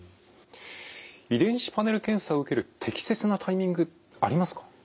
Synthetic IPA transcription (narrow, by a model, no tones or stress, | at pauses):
id̪ẽ̞ɰ̃ɕi̥pane̞ɾɯ̟kẽ̞ɰ̃saoɯ̟ke̞ɾɯ̟t̪ʰe̞kʲi̥se̞t͡sɨnat̪ʰaimʲĩŋɡɯ̟ | aɾʲimasɨ̥kḁ